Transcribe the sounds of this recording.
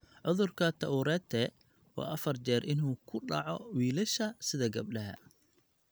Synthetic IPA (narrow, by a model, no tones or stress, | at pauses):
ʕʊðʊrkʰɐt̪ʰɐʊɾɛːt̪ʰɛ | wɑ̰ːʔɐfɐrt͡ʃɛːrʔɪnuːkʰʊɖɑ̰ʕɔwiːlɐʃɐsɪðɐɡɐb̚ɖɐɦɐ̰